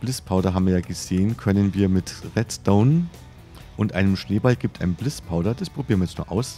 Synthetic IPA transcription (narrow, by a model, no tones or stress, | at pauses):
b̥lɪspʰaʊdɐɦaːbmviɐjaːɡəz̥eːənkʰœnənviːɐmɪtʁɛtd̥oʊnn | ʔʊntʔaɪnəmʃneːbalɡiːp̚tʰʔaɪnənblɪspʰaʊɾɐd̥asb̥ʁ̥obiːɐn̩vɐjɛt͡stnṵːɐʔaʊs